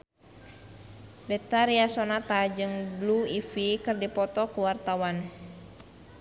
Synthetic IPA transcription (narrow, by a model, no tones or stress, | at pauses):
bɛt̪aɾiasɔnat̪ad͡ʒɨŋbluifikɨrdipɔt̪ɔkuwart̪awan